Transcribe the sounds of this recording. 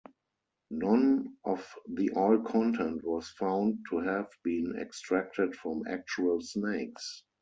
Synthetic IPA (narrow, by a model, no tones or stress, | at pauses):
nɔ̃nʔɔfðiʔɔlkʰɔ̃ntʰɛ̃ntwɔsfãʊ̃nd̚tʰuhɛvbĩːnɛ̰kstɹæk̚tətfɹɔ̃mæ̰k̚t͡ʃuəlsneɪks